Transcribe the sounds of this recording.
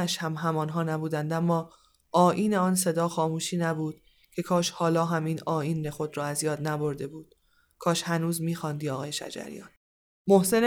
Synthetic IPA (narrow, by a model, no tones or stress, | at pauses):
æʃhæmɦæmɒːnɦɒːnæbuːd̪ænd̪æmːɒː | ʔɒːʔiːneɒːnse̞d̪ɒːxɒːmuːʃiːnæbuːd̪̥ | cʰe̞kʰɒːʃhɒːlɒːɦæmiːnɒːiːnːexo̞d̪ɾɒːæzjɒːd̪næbo̞ɾd̪e̞buːd̪̥ | kʰɒːʃhænuːzmiːxɒːnd̪iːɒːɣɒːje̞ʃæ̰d͡ʒæ̰ɾḭjɒ̰ːn | mohse̞n